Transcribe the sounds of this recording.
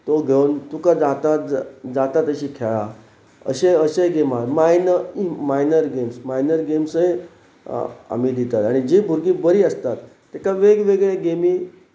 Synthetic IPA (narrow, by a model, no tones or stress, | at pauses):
t̪oɡʱeunt̪ukad͡zat̪at̪d͡zat̪at̪əɕiːkʰeɭa | ə̰ɕeəɕeɡemalmajnəimajnəɾɡemsmajnəɾɡemsəj | a̰mid̪it̪at̪aɽ̃id͡ʑibʱuɾɡiːbəɾiːəst̪at̪ːekaʋeɡʋeɡɭeɡemiː